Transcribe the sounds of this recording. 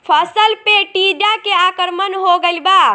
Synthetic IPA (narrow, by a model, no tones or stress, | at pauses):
pʰəsəlpeʈid͡ʒakeakəɾmənɦoɡəlba